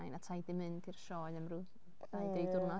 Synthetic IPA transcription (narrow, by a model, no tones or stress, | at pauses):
ajnatʰajdɪmɨnd̥ʰirʃɔːɛmrʊ | ajdejdʊrnɔ